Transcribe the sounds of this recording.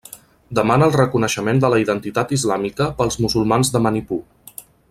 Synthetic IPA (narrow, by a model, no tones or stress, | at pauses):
d̪əmanəːlˠrəkunəʃəmend̪ələiðənt̪it̪at̪izlamikəpəlˠzmuzulˠmanzðəmənipu